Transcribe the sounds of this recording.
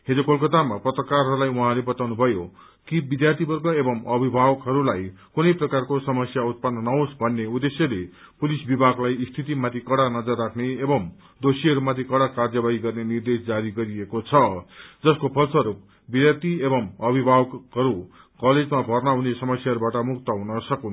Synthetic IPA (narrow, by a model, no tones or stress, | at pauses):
ɦed͡zokolkʌt̪amaprʌt̪rʌkarɦʌɾulajuɦãlebʌt̪awnubʱʌjo | kibid̪jart̪ʰipʌrɡʌebʌmʌbʱibʱabʌkɦʌɾulaj | kunʌjprʌkarkosʌmʌsjaut̪̚pʌnːʌnʌaosbʱʌnːeud̪esjʌle | pulisbibʱaɡlajist̪ʰit̪̬imat̪ʰikʌɽanʌd͡zʌrːakʰneːbʌm | d̪osiʌɾumat̪ʰikʌɽakard͡zʌbaɦiɡʌrnenird̪esd͡zaɾiɡʌɾiekot͡sʰʌd͡zʌskopʰʌlsʌɾup̚ | bid̪jart̪iebʌmʌbibʱabʌkɦʌɾu | kʌled͡zmabʱʌrnʌɦunesʌmʌsjaʌɾubaʈʌmukt̪ʌɦunʌsʌkun